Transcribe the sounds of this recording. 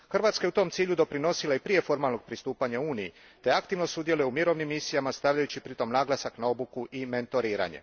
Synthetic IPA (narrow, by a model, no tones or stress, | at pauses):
xr̩ʋaːt̪skajeut̪o̞ːmt̪siːʎud̪o̞pɾino̞silaipɾije̞fo̞ɾmalˠno̞ɡ̚pɾist̪uːpaɲauːnii | t̪e̞akt̪iʋno̞sud̪je̞loeeumiɾo̞ʋnimːisijamast̪aːʋʎajut͡ɕipɾit̪o̞mnaːɡlˠasaknao̞bukuʔime̞nt̪o̞ɾiːɾa̰ɲe̞̰